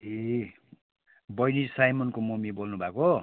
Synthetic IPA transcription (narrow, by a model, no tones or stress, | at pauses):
e | bʌjnisajmʌnkomumibolnubʱako